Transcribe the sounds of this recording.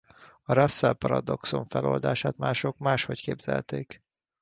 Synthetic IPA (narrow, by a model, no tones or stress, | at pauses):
ɒɾɒsːɛlpɒɾɒd̪o̞kso̞ɱfɛlo̞̰ːld̪aːʃaːt̪maːʃo̞kmaːʃho̞ckeːbz̥ɛ̰lt̪eːk